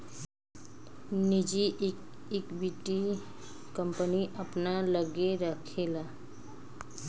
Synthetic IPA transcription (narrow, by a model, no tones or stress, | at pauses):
nid͡ʒik | ekbiʈi | kʌmpəniʔəpnaləɡeɾəkʰela